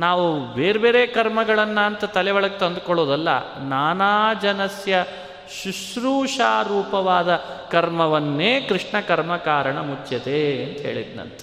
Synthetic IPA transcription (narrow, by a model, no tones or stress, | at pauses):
naːʋubeːɾbeːɾeːkɐɾmɐɡɐɭɐnːɐːnt̪ɐt̪ɐlɛʋɐɭɐket̪ɐnd̪ukɔɭoːd̪ɐlːɐ̰naːnaːd͡ʒɐnɐsjɐ | ʃuʃɾuːʂaːɾuːpɐʋaːd̪ɐkɐɾmɐʋɐnːeːkɾiʂɳɐkɐɾmɐkaːɾɐɳɐmut͡ʃːɐd̪eɐnt̪ɐɦḛːɭḭd̪nɐ̰nt̪ɐ̥